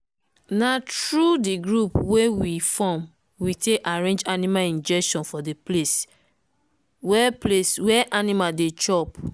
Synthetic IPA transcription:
natɹudiɡɹupwewifɔ̃m | witeaɹẽnd͡ʒanimalĩnd͡ʒɛkʃɔ̃nfɔdeples | wɛpleswɛʔanimadet͡ʃɔp

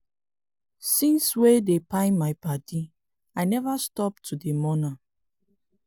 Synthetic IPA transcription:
sĩnswedepaɪmaɪpadi | aɪnɛvastɔp̚tʰudemɔna

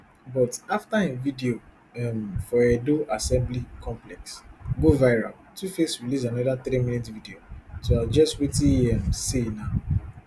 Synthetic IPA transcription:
bɔtaftaẽnvidio | ɛmfɔɛdoʔasɛ̃mblikʰɔ̃mplɛksɡovaɪɹa̰l | tufesɹilisanɔðat̪ɾimĩnitvidiosoad͡ʒɔstwitĩɛmsina

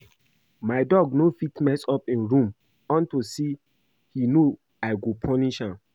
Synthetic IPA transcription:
maɪdɔɡnofitnɛsɔpĩnɹũm | ɔ̃ntosi | hino | aɪɡopʰɔniʃãm

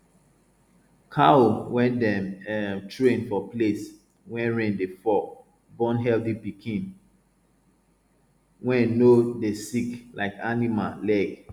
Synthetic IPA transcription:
kʰaowɛ̃ndɛmɛtɹẽnfɔples | wɛ̃nɹẽndefɔk | bɔ̃nɦɛlθipikʰĩn | wɛ̃nodesiklʔa̰ɪkanimalɛɡ

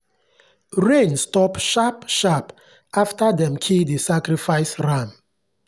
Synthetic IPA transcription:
ɹẽnstɔpʃapʃap | aftadɛ̃mkʰildisakɾifaɪsɹãm

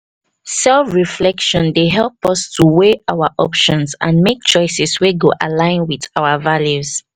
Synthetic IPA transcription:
sɛlfɹiflɛkʃɔ̃ndeɦɛlˠpɔstʰuweaʊwəʔɔpʃɔ̃nsã̰nmek̚t͡ʃɔɪsɛsweɡoʔalãɪ̃nwiðawəvaljuz

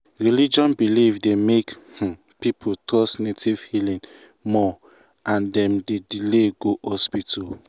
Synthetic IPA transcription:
ɹilid͡ʒɔ̃nbilivdemekh̩ | pipʰutʰɔsnetivhilĩn | mɔ | ʔãndɛ̃mdedileɡohɔspitʰɔ

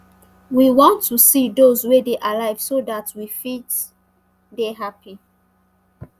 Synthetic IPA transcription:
wiwɔ̃ntʰːusidozwedeʔalaɪv̥sodatwifit | deɦapi

